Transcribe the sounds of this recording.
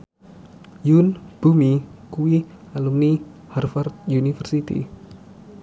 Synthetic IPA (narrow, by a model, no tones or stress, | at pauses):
junb̥umikuwialumniharfart̪̚junifərsit̪ḭ